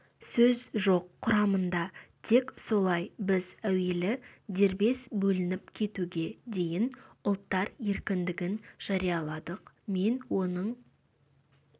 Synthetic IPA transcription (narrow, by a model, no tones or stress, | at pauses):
sɵzʒo̞qʰːʊɾɑmənd̪ɑt̪ʰe̞kso̞lˠɑjbɪzæwe̞lɪd̪e̞ɾbe̞sbɵlɪnɪpkʲʰe̞t̪uɡʲe̞d̪e̞jɪnʊlˠt̪ːɑɾje̞ɾkʲɪnd̪ɪɡʲɪnʒ̥ɑɾijɑlˠɑd̪əq | me̞nwo̞nəɴ